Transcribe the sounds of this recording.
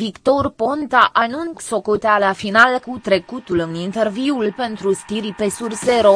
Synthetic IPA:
vikt̪o̞rpo̞nt̪aʔanunso̞kot̪ealafinalkut̪ɾe̞kut̪ulɨnint̪e̞rviulpe̞nt̪ɾust̪iɾipe̞surseɾo

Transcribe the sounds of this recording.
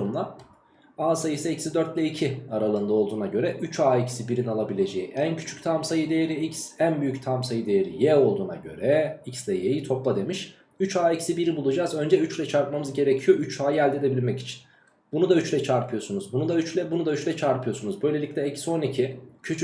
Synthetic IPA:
ɾumd̪ˠa | aːsajɯsɯicsid̪øɾt̪lʲɛicʰiaɾalˠɯːnd̪aolˠd̪uːnaɟø̞ɾɛʔyt͡ʃaːicsibiɾinalˠabilʲe̞d͡ʒejiʔæncʰy̥t͡ʃʰy̥c̚t̪ʰamsajɯd̪ejeɾiicsænbyjyct̪ʰamsajɯd̪e̞jeɾḭjɛo̞lˠd̪uːna̰ɟø̰ɾɛicslʲɛjejit̪ʰo̞plˠad̪e̞miʃ | yt͡ʃaːicsibiɾibulˠud͡ʒazø̞nd͡ʒɛyt͡ʃlʲɛt͡ʃʰaɾt̪̚mamɯzɟe̞ɾecʰijo̞yt͡ʃʰaːjɯælʲd̪e̞d̪e̞bilʲmɛci̥t͡ʃʰi̥n | b̥unud̪ayt͡ʃlʲɛt͡ʃʰaɾpʰɯjo̞sunuzbunud̪ayt͡ʃlʲɛbunud̪ayt͡ʃlʲɛt͡ʃʰaɾpʰɯjo̞sunuzbø̞jlʲe̞lʲicʲlʲɛecso̞nicʰicʰyt͡ʃʰy

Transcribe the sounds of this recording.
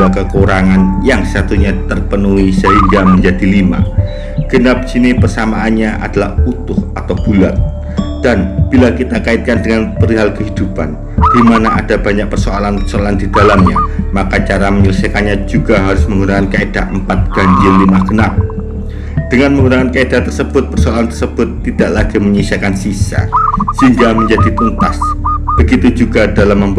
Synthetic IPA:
lakəkuɾaŋanjaŋsəsat̪uɲat̪ərpənuisəɦiŋɡaməɲd͡ʒadilima̰ | ɡ̥ənap̚d͡ʒinɪpərsamaːnɲaʔa̰d̥alahut̪ʊhat̪awb̥ulat̪̚ | d̥anb̥ilakit̪akaɪt̪̚kandəŋanpəɾiɦalkəɦid̥upan | d̥imanaʔadabaɲak̚pərsoalanpərsoalandidalamɲamakat͡ʃaɾaməɲulsakanɲad͡ʒuɡaɦaɾʊsməŋunakankaedaʔəmpat̪̚ɡ̥aɲd͡ʒiɪnlimaɡ̥ənap̚ | d̥əŋanməŋɡunaŋankaedat̪ərsəb̥ʊt̪̚pərsoalant̪ərsəb̥ʊt̪ːidaʔlaɡiməɲəisiakansisa̰səɦiŋɡaməɲd͡ʒadit̪unt̪asb̥əɡit̪ud͡ʒuɡadalamːəmb

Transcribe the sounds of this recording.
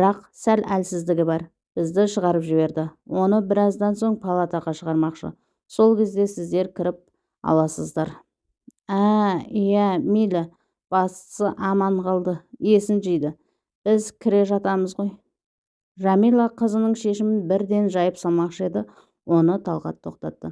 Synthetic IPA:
bəɾɑqsælælsɪzd̪ɪɡʲɪbɑɾ | b̥ɪzd̪ɪʃəʁɑɾəpʒɪbe̞ɾd̪ɪ | wo̞nəbɪɾɑzd̪ɑnso̞ɴpʰalˠat̪ɑʁɑʃəʁɑɾmɑqʃə̰ | so̞lˠkʲʰe̞zd̪e̞sɪzd̪e̞ɾkʲʰɪɾɪp̚ | ɑ̰lˠɑsəzd̪ɑɾ | æjæmijlʲa | b̥ɑst̪ə̥səʔɑmɑɴqʰɑlˠd̪əje̞sɪnʒɪjd̪ɪ | b̥ɪzkʲʰɪɾe̞ʒɑt̪ɑməzʁo̞j | ʒɑmijlˠɑqʰəzənəɴʃe̞ʃɪmɪnbɪɾd̪e̞nʒɑjəpsɑlˠmɑqʃəed̪ɪ | wo̞nət̪ʰɑlˠʁɑ̰t̪ʰːo̞qt̪ɑt̪ːə

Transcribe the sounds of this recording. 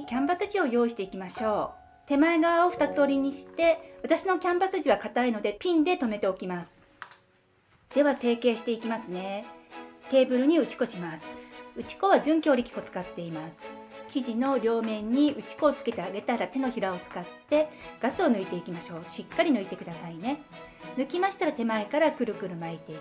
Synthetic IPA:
kʲãmbasɨʑio̞jo̞ːiɕi̥t̪e̞ikʲimaɕo̞ː | t̪e̞maeɡaβao̞ɸɯ̥t̪at͡sɨo̞ɾʲiɲ̟iɕi̥t̪e̞βat̪aɕino̞kʲãmbasɨʑiβakat̪aino̞d̪e̞pʲĩnd̪e̞t̪o̞me̞t̪e̞o̞kʲimasɨ̥ | d̪̥e̞βase̞ːke̞ːɕi̥t̪e̞ikʲimasɨne̞ | t̪e̞ːbɯ̟ɾɯ̟ɲ̟iɯ̟t͡ɕi̥ko̞ɕimasɨ̥ɯ̟t͡ɕi̥ko̞βaʑɨ̃ŋkʲo̞ːɾʲikʲi̥ko̞t͡sɨ̥kat̪ːe̞imasɨ̥kʲiʑino̞ɾʲo̞ːmẽ̞ɲ̟ːiɯ̟t͡ɕi̥ko̞ːt͡sɨ̥ke̞t̪eaɡe̞t̪aɾat̪e̞no̞çiɾao̞t͡sɨ̥kat̪ːe̞ɡ̥asɨo̞nɯ̟it̪e̞ikʲimaɕo̞ːɕikːaɾʲinɯit̪e̞kɯd̪asaine̞ | nɯ̟kʲimaɕi̥t̪aɾat̪e̞maekaɾakɯ̟ɾɯ̟kɯ̟ɾɯ̟mait̪e

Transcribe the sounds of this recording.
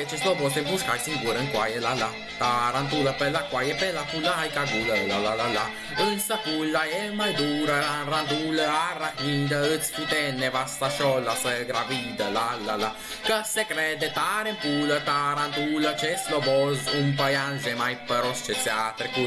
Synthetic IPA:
et͡ʃɛslɔbɔsembuskajsiŋɡuɾəŋkwajelala | t̪aɾant̪uləpelakwajɛpɛlafulajkaɡ̪uləɛlalalala | ənsafulːaɛmajd̪uɾəɾanrand̪uləarahid̪əət̪sfut̪ɛnːevast̪aʃɔlːasəɡɾavid̪əlalːala | kəsekɾɛd̪et̪aɾempulət̪aɾant̪ulət͡ʃɛslobɔzumpajanzemajpəɾɔst͡ʃɛt͡sːɛat̪ɾeku

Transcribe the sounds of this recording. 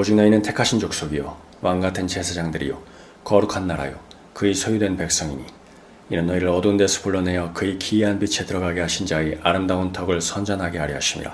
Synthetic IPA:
od͡ʑiŋnʌinɯntʰe̞kʰaɕʰind͡ʑok̚s͈oɡijo | waŋɡatʰɯnt͡ɕe̞sʰad͡ʑaŋdɯɾḭjo̰ | kʌɾukʰanːaɾa̰jo̰ | kɯisʰojudwe̞npe̞k̚s͈ʌŋiɲi | inɯnːʌiɾɯɾʌdundesʰu̥puɭːʌne̞jʌkɯikiiɦanbit͡ɕʰe̞tɯɾʌɡaɡe̞ɦaɕʰind͡ʑaeʔaɾɯmdaontʰʌɡɯɭsʰʌnd͡ʑʌnɦaɡeaɾiɦaɕʰimḭɾa̰

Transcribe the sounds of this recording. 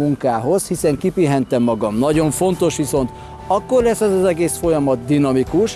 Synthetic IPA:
uŋkaːɦo̞shisɛŋkipiɦɛnt̪ɛmːɒɡɒmnɒɟo̞ɱfo̞nt̪o̞ʃʋiso̞n̪t̪ | ɒkːo̞rlɛsːɛzɒzɛɡeːsfo̞jɒmɒt̪d̪inɒmikuʃ

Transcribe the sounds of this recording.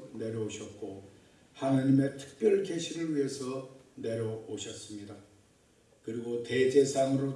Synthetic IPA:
ne̞ɾjʌoɕʰʌt̚k͈o | hanaɲime̞tʰɯ̥k̚p͈jʌɭke̞ɕʰiɾɯɭɥiɦe̞sʰʌ | ne̞ɾjʌoɕʰʌs͈ɯmɲida | kɯɾiɡote̞d͡ʑe̞sʰaŋɯɾo

